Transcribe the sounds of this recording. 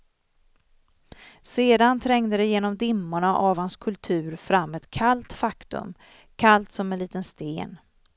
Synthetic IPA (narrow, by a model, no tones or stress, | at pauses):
seːd̪ant̪ʰɾɛŋd̪əd̪ɛjeːnɔmd̪ɪmːʊɳaʔavhanskʰɵlt̪ʰʉ̟ːɾfɾamːɛt̪kʰalt̪fakt̪ɵ̰m | kʰalt̪sɔmːɛnliːt̪ənst̪ḛːn